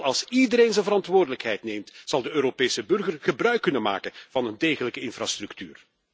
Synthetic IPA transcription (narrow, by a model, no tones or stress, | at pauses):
ɑlˠsidəɾeːnzənvəɾɑntʋoːrdələkɦɛjtnejmtz̥ɑlˠdəøːɾopeːsəbɵrɣərɣəbrœɥkːɵnənma̰ːkənv̥ɑnəndeːɣələkəɪnfraːstrɵktyːr